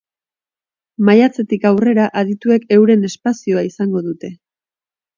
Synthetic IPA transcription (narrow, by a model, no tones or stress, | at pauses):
majat͡se̞t̪ikawre̞ɾaʔaðit̪ue̞ke̞wɾe̞ne̞spasio̞aisaŋɡo̞ðut̪e̞